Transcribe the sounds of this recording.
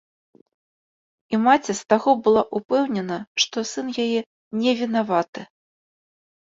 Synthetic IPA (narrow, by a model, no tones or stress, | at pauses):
imat͡sʲɛst̪aɣɔbɨlˠaʔupɛwnʲɛnɐʂt̪ɔsɨnjajɛ | nʲɛvʲinavat̪ɨ